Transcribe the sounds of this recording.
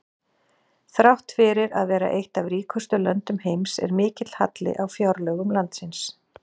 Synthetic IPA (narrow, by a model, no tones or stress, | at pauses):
θɾawht̪fɪɾɪɾa̰ðvɛːɾa̰ʔejht̪avɾiːkʰʏst̪ʏlœnt̪ʏmhejmsɛ̰ɾmɪːcɪt̪l̥ha̰t̪lɪ̰ʔawfjawɾlœɣʏmlant̪sɪns